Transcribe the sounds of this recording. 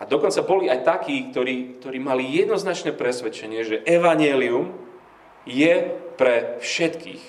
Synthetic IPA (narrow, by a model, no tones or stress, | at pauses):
ad̪ɔkɔnt͡sabɔliajt̪akiːk̚t̪ɔɾiːk̚t̪ɔɾiːmalijɛd̪nɔznat͡ʃnɛːpɾɛsʋɛt͡ʃɛɲɪɛʒɛʔɛʋaɲɪɛlium | jɛpɾɛfʃɛt̪kḭːx